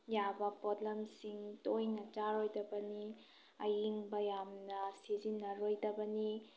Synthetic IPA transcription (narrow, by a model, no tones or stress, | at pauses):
jabɐpɔdlɐmsiŋtojnɐt͡ʃaɾojdɐbɐni | ɐjiŋbɐjamnɐsizinːɐɾojdɐbɐni